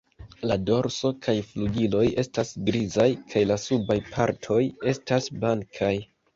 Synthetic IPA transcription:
lado̞ɾso̞kʰajfluɡilo̞je̞stasɡɾizajkʰajlasubajpʰaɾtʰo̞je̞stasblaŋkʰaj

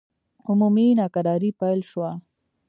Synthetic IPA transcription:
ʊmuminɑkaɾɑɾipajlʃwa

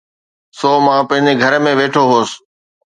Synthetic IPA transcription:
soːmãːpə̃ɦɪ̃ɲd͡ʑeɡʱəɾmẽʋeːʈʰoɦoːs

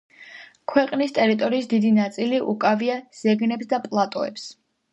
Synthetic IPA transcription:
kʰwɛqʼnist̪ʼɛɾit̪ʼɔɾiːsd̪id̪inat̪sʼiliʔukʼaviaz̥ɛɡnɛpsd̪apʼlˠat̪ʼɔɛ̰ps

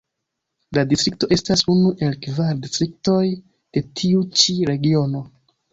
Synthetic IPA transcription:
ladistɾikto̞ʔe̞stasunuʔe̞lkvaɾdistɾik̚to̞j | d̥e̞tʰiut͡ʃiɾe̞ɡio̞no̞

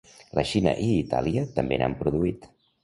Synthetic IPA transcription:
ləʃinə̰ʔiːt̪a̰liət̪əmbena̰mpɾuðuit̪

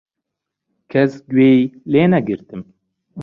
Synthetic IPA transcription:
kʰɛsɡweːileːnɛɡɨɾt̪ɨm

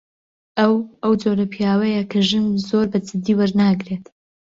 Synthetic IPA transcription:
ʔɐwʔɐwd͡ʒoɾɐpʰijaːwɐjɐkʰɐʒɨnzoɾbɐd͡zɨd̪ːiːwɐɾnaːɡɾe̞t̪

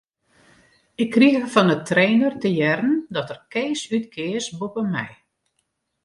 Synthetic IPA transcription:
ɪkːriɣəfɔnətreːnərtəjɛrən̩dɔtərkeːsytkʰɪəsbopəmɛ̰j

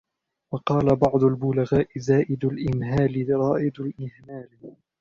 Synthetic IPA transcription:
wɑqɑːlabɑʕd̪ˤʊlbʊlaɣaːʔɪzaːʔɪd̪alʔɪnɦaːlɪɾˤɑːʔɪd̪alʔɪhmaːl

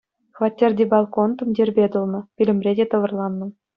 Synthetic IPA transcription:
χvɑtʲːerʲdʲebɑlˠkont̪ɤ̆mdʲerʲbʲed̪ulˠnɤ̆pʲilʲɘ̆mʲrʲedʲet̪ɤ̆ʋɤ̆rlˠɑnːɤ̆

